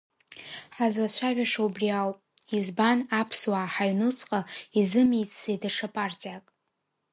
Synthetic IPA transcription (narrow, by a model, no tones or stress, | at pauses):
ħazwat͡ʃʷʰaʒʷᶣaʂaubriawpʼizbanapʰswaħaɥnut͡sʰʼqʼaizɨmijt͡sʼsejdaʂapʼart͡sʼiakʼ